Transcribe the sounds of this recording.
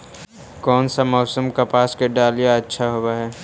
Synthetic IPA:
kɔːnsamɔːsəmkapaːskeɖaːlijaɐtːʃʰaɦowaɦɛː

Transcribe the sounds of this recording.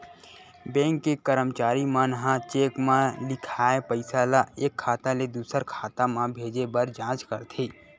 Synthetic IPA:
bɛ̃ːŋkːekəɾəmt͡ʃaːɾimãnəɦãt͡ʃeːkmãlɪkʰaːepəɪsalaeːkʰːaːt̪aled̪uːsəɾkʰaːt̪ãmãbʱeːd͡ʒebəɾd͡ʒãːt͡ʃkəɾt̪ʰeː

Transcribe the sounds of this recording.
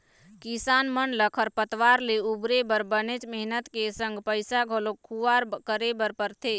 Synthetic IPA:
kisanmənləkʰəɾpət̪ʋaɾleubɾebəɾbənet͡ʃmɛɦnət̪kesəŋɡpəjsaɡʱolokʰuʋaɾkəɾebəɾpəɾt̪ʰe

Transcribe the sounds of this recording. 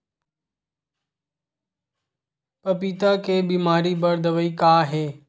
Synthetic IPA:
pɐpiːt̪akeːbiːmaːɾibəɾd̪əʋəiːkaːɦeː

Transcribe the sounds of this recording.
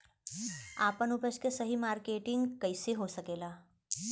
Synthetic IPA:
apənupəʃkesəɦimaɾkeʈɪŋɡkəjseɦosəkela

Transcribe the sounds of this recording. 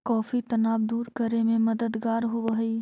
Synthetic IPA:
kɔːfit̪ɐnaːbd̪uːɾkəɾemẽmɐd̪əd̪ɡaːɾɦoʋəɦi

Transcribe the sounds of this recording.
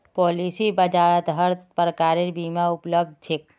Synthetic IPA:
pɔːlisibəd͡ʒaːɭət̪ɦəɾt̪pəɾəkaːɾeɾbiːmaʊpləb̚d̪̚t͡ʃʰek

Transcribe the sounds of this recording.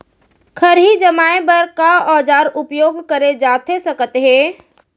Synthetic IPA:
kʰəɾɦid͡ʒəmaːebəɾkaɔːd͡ʒaːɾʊpjoːɡkəɾed͡ʒaːt̪esəkət̪ɦẽː

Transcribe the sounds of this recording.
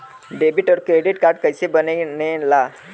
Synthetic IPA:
ɖebiʈɔɾkɾeɖiʈkaɾʈ̚kajsebənəjnela

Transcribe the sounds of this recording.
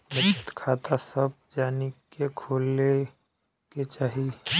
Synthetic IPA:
bət͡ʃʰə̥t̪kʰaːt̪asəb̚d͡ʒaːnikekʰoːle | ket͡ʃaːɦi

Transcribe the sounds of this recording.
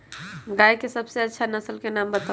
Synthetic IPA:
ɡajkesəbseətːʃʰanəsəlkenambət̪a

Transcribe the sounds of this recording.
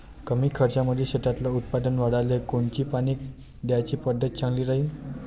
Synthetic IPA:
kəmiːkʰəɾt͡ɕaməd̪ʱːeɕeʈ̪at̪laut̪̚pad̪ənʋaɽalekoɳt͡ɕiːpaniːk̚ | d̪jat͡ɕiːpəd̪ːət̪̚t͡sʰãŋɡliːɾaɦi

